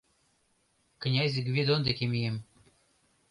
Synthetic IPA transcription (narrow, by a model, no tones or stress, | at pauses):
knʲazʲɡvʲed̪ond̪ekʲemʲijem